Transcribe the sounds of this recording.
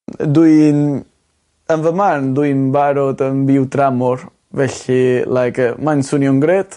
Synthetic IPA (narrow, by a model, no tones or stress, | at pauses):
duɨn | ənvəmarnduɨnbaɾɔdəmbɪwdɾamɔɾ | vɛɬilˠajkʰəmansunjɔŋɡɾeːt